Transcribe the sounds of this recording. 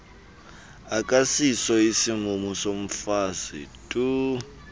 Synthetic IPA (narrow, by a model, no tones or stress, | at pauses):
akʼasisɔisiŋumusom̩fazḭtʼu